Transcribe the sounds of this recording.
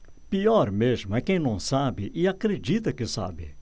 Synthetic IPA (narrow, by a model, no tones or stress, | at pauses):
piɔɾmeʒmʊɛkẽj̃nɐ̃w̃sabɪʔɪakɾed͡ʒit̪ɐkɪsa̰bɪ̰